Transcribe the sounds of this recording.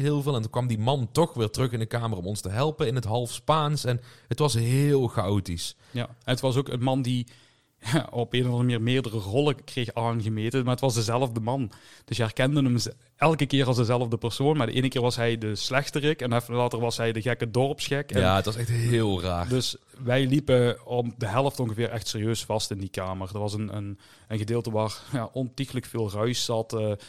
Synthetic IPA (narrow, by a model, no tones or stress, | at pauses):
ɦɪːlˠvɪːlˠɛntukʋɑmdimɑntɔxʋɪːɹtrɵxɪndəkaːmərɔmɔnstəɦɛlˠpəɪnətɦɑlˠfspaːnsɛnɦətʋɑsɦɪːlˠɣawtis | janətʋɑs̬oːkənmɑndi | jaɔpeːnɔvɑnˠəmniːrmɪːɹdərərɔlˠəkrejxaːnɣəmeːtəmaːətʋɑsdəzɛləvdəmɑnd̥ɵsjəɛrkɛndənəms | ɛlˠkəkɪːrɑlˠzdəzɛlˠəvdəpɛrsoːnmaːɹdəʔeːnəkɪːrʋɑsɦɛjdəslɛxtərɪkɛnɛflaːtərʋɑsɦɛjdəɣɛkədɔrpsxɪkɛaətʋɑsɛxtɦɪːlˠraːdɵs | ʋɛjlipəɔpdəɦɛlˠəftɔŋɣəvɪːɾʔɛxtseːrijøːsfɑstɪndikaːmərdərʋɑsənə̰n | ənɣədeːlˠtəʋaːrjaːʔɔntixələkfeːlˠrœɥszɑtː